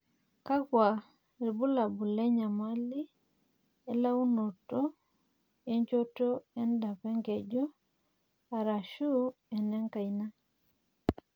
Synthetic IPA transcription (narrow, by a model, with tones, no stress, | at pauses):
ka˦kwa˨ | ɾi˨bu˦la˨bu˨lɛ˦ɲa˨ma˦li˦ | e˦la˦u˦no˨to˦ | e˦ɲt͡ʃo˦to˦ɛ˦nda˨pɛ˦ŋɡe˨d͡ʒu˦ | a˨ɾa˨ʃu˦ɛ˨nɛ˦ŋka˨i˨na˦